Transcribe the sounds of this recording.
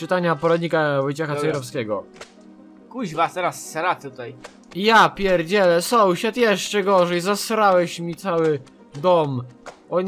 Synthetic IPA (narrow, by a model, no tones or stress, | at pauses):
ɘt̪aɲapɔɾad̪ɲikavɔjt͡ɕaxaɛjɾɔfskʲɛɡɔ | kuʑvast̪ɛɾasːɛɾat̪ut̪aj | japʲjɛɾd͡ʑɛlɛsɔwɕat̪jɛʂt͡ʂɛɡɔʐɛjzasɾawɛɕmʲit̪sawɘ | d̪ɔmʔɔ